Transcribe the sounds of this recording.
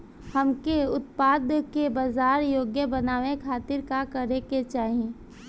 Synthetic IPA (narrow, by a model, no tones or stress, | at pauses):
hɐmkeʊt̪paːd̪kebaːzaːɾjoːɡjəbɐnaːʋekʰaːt̪ɪɾkakɐɾeket͡ʃaːɦiẽː